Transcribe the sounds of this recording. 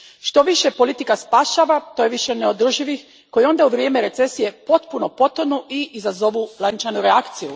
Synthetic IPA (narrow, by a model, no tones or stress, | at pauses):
ʃt̪o̞ʋiʃepo̞lit̪ikaspaːʃaːʋat̪oːje̞ʋiʃeneo̞d̪r̩ʒiʋix | ko̞jio̞nd̪auʋɾje̞ːmeɾe̞t̪se̞sije̞po̞t̪puno̞po̞t̪onuʔiʔizazo̞ʋulˠant͡ʃanuɾeakt̪siju